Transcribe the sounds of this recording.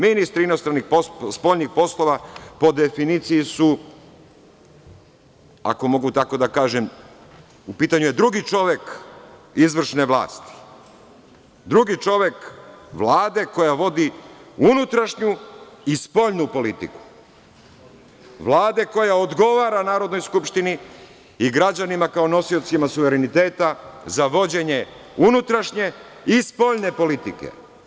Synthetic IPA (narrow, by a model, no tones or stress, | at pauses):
minist̪ɾiino̞st̪ɾanːixpospo̞ʎnixpo̞slˠo̞ʋapo̞d̪efinit̪sijisu | a̰ko̞mo̞ɡut̪ako̞d̪akaːʒem | upiːt̪aɲujed̪ɾuɡit͡ʃo̞ʋe̞k | izʋr̩ʃneʋlˠa̰ːst̪i̥ | d̪ɾuɡit͡ʃo̞ʋekʋlˠaːd̪e̞ko̞jaʋo̞d̪iunut̪ɾaʃɲuispo̞ʎnupo̞lit̪ḭku̥ | ʋlˠaːd̪e̞ko̞jaod̪ɡo̞ʋaːɾanaːɾo̞d̪no̞jskupʃt̪ini | iɡɾad͡ʑanimakao̞no̞sio̞t̪simasuʋe̞ɾenit̪eːt̪azaʋo̞d͡ʑe̞ɲe̞unut̪ɾaʃɲe̞ | ispo̞ʎne̞po̞lit̪ikḛ